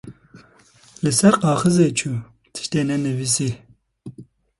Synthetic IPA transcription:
lɨsɛɾqɑːxɨzeːt͡ʃʰu | t̪ʰɨ̥ʃt̪eːnɛnɨvisi

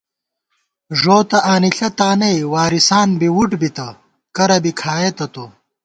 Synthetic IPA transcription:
ʐoːt̪ɐʔaːniɬɐt̪aːnɐjwaːɾisaːnbiwuʈbit̪ɐ | kɐɾɐbikʰaːjet̪ɐt̪o

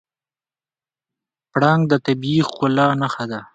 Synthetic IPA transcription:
pɽɑŋɡd̪ət̪abixʊlɑːnaxad̪a

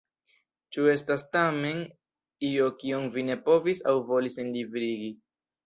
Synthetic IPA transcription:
t͡ʃue̞stastame̞n | io̞kionvine̞po̞visawvo̞lisenlivɾiɡi

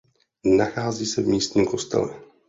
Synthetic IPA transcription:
naxaːziːsɛvmiːst̪ɲiːmko̞st̪ɛ̰lɛ̰

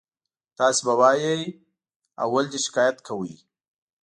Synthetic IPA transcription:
t̪ɑːsebawɑjaj | a̰wːald͡ʒ̪iʃɪ̥kaːjat̪kʰawij

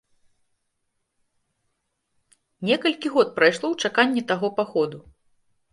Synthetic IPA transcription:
nʲɛkɐlʲkʲiɣɔt̪̚pɾajʂlˠɔwt͡ʂakanʲːɛt̪aɣɔpaxɔd̪u

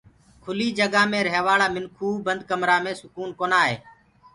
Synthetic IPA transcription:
kʰʊliːd͡ʒəɡãːmẽːɾɦeːʋaːɽaːmɪnkʰuːbənd̪̚kəmɾaːmẽːsʊkuːnkoːnaːɦeː

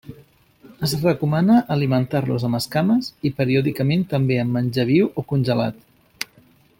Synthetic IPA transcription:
əzrəkumanəʔəlimənt̪aɾlṵzəməskaməzipəɾioðikəment̪əmbeəmːənʲʒəβ̞iwʔokunʲʒəla̰t̪

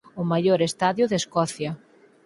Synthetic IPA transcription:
ʊmajoɾest̪aðjʊðeskɔθjɐ

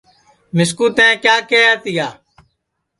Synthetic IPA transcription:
mɪskuːt̪ɛ̃ːkjaːkeːət̪ijaː

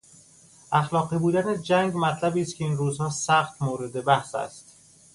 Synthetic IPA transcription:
ʔæxlɒːɢiːbuːd̪æned͡ʒæŋɡmæt̪ʰlæbiːst̪kʰeiːnruːzhɒːsæxt̪moːɾe̞d̪e̞bæhsæ̰st̪

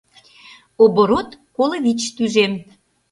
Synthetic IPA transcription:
oboɾot̪koləβʲit͡ɕt̪yʒem

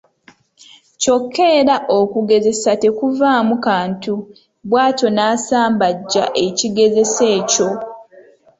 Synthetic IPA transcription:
co̞kʰːe̞ːɾaʔokuɡe̞ze̞sate̞kuvaːmukaːntu | βwaːto̞naːsaːmbaɟːa̰ʔe̞ciɡe̞ze̞se̞ːco̞

